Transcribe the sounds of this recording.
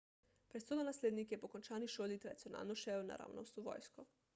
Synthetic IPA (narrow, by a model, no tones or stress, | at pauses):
pɾɛt̪sod̪anasleːd̪nikjɛpokont͡ʃaːniʃoːd̪it̪ɾad̪t̪sijona̰ːlnɔʃɛna̰ɾa̰ːwno̰wst̪uʋɔ̰ːjskɔ